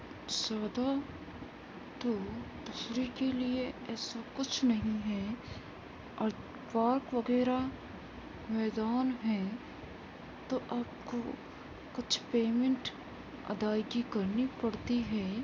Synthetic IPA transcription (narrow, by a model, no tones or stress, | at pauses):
sjaːd̪a | t̪od̪ʊsɾikelieɛːsakʊt͡ʃʰnɐɦĩɦɛ | ɔːɾ | paːɾkʋɐɡɛːɾa | mɛːd̪aːnɦɛː | t̪oʔaːp̚ko | kʊt͡ʃʰpeːmẽɳʈ | ɐ̰d̪aːjɡikɐɾnipɐɽt̪iɦɛː